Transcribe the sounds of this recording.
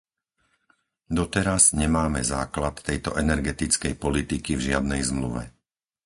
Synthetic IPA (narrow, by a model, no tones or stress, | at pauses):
d̪ɔt̪ɛɾazɲɛmaːmɛ̰za̰ːklat̪ːɛjt̪ɔ̰ʔɛnɛɾɡɛt̪it͡skɛjpɔlit̪ikivʒɪad̪nɛjzmlṵʋɛ̰